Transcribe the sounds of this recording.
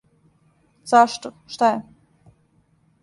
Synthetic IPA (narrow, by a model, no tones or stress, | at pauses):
z̥aʃt̪oʃt̪ajɛ